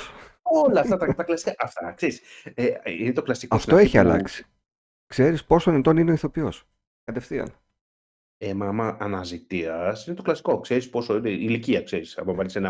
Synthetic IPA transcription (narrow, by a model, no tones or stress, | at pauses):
olɐːft̪ɐt̪ɐt̪ɐklɐsi̥kɐʔɐft̪ɐkse̞ɾiseinet̪oklɐsikɐsft̪o̞eçiɐ̰lɐ̰ksi̥ | kse̞ɾispo̞sonet̪o̞nineoiθo̞pio̞s | kɐt̪e̞fθiɐ̰n | emɐmɐʔɐnɐzit̪iɐsine̞t̪o̞klɐsi̥ko̞kse̞ɾispo̞so̞ineiliciɐkseɾisɐ̰mɐvɐlisenɐ